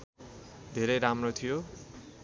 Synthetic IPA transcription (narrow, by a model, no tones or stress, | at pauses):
d̪ʱeɾʌjɾamrot̪ʰijo